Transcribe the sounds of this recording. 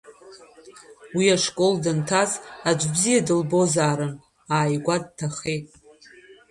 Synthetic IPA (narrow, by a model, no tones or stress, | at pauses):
wiaʂkʼo̞ldɨntʰazad͡ʒʷʼbzijadɨlbo̞zaːɾɨn | aːjɡʷad̚tʰaχejtʼ